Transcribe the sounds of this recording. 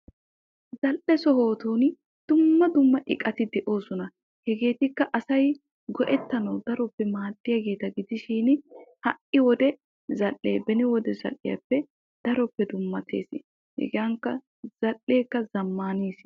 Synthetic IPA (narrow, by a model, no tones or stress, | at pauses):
zɐlʔɛsɔɦo̞ːt̪uːn | d̪̥ʊmːɐd̪ʊmːɐʔɪkʼɐt̪ɪd̪ɛʔo̞ːsɔnɐ | hɛɡe̞ːt̪ɪkːɐʔɐsɐj | ɡɔʔɛt̪ːɐnɐwd̪ɐɾɔpːɛmaːd̪ːɪjɐɡe̞ːt̪ɐɡɪd̪ɪʃiːnhɐʔɪwɔd̪ɛ | zɐlːḛːbɛnɪwɔd̪ɛzɐ̰lːɪ̰jɐ̰pːɛ | d̪̥ɐɾɔpːɛd̪ʊmːɐt̪ʰḛːsɪ | hɛ̰ɡjɐŋkːɐ | z̥ɐlːe̞ːkːɐzɐmːaːniːs